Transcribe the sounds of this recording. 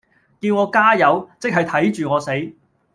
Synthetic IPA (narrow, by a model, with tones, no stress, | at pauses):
kiː˧wŋɔː˨˧kaː˥jɐ˨˧wt͡sɪ˥k̚ɦɐ˨jt̪ʰɐ˨˥jt͡ʃyː˨ŋɔː˨˧se˨˥j